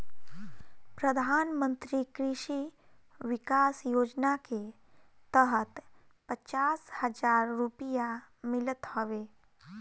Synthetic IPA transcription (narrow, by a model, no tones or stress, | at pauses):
pɾəd̪ʱaːnmə̃nt̪ɾikɾɪʃi | ʋɪkaːsjoːd͡ʒnake | t̪əɦət̪ | pət͡ʃaːshəd͡ʒaːɾːupijamɪlət̪həʋeː